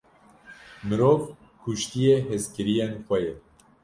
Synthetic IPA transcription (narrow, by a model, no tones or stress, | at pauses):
mɨɾoːv | kʰuʃt̪ijeɦɛskɨɾijenxʷɛjɛ